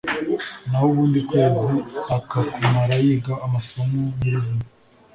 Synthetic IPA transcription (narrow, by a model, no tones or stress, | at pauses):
nahoβuːndikweːziakatimaɾajiːɡaːmaso̞momiɾizima